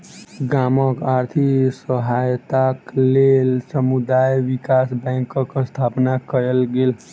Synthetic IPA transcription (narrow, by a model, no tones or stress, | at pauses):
ɡaməkaɾt̪ʰisəɦajt̪aklelsəmud̪ajʋikasbɛ̃ŋkkst̪ʰapnakəɾəlɡel